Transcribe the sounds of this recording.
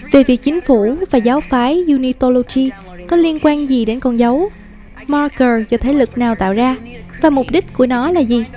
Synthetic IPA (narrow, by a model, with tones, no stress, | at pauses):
ve˨˩vi˨˩ək̚t͡ɕï˨˦ŋ̟fu˧˩vaː˨˩zaː˨˦wfaː˨˦jzu˧ni˧t̪o˧lo˧t͡ɕi˧ | kɔ˨˦li˧ənkwaː˧nzi˨˩ɗe˨˦nkɔ˧˩nzə˨˦w | mɔ˧kəː˨˩zɔː˨˩t̪ʰe˨˦lɨ˨˩k̚naː˨˩wt̪a̰ː˧˨wzaː˧vaː˨˩mʊ˨˩k͡p̚ɗï˦˥k̟̚ku˧˩ənɔ˨˦laː˨˩zi˨˩